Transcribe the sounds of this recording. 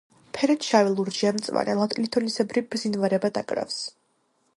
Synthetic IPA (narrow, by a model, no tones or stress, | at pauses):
pʰɛɾɛt̪ʃavɛlˠuɾd͡ʒiamt̪sʼwa̰nɛlˠat̪ʼlit̪ʰɔnisɛbɾibɾzinvaɾɛbad̪akʼɾa̰fs